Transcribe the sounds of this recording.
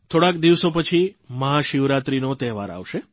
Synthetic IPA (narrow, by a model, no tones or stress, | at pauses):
t̪ʰoɽakd̪iʋsopət͡ʃʰiməɦaʃiʋɾat̪ɾinot̪ɛɦʋa̰ɾa̰ʋʃe